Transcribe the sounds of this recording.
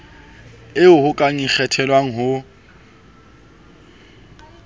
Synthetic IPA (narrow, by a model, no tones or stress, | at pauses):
ɪʊhʊkʼaŋik͡xʰɛtʰɛlwaŋ̩ɦʊ